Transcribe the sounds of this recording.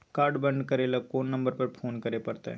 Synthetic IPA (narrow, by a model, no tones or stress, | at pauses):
kaːɾɖbɐ̃ɳɖkɐɾelɐkoːnːɐ̃mbəɾpɐɾpʰoːnkɐɾepɐɾt̪ḛ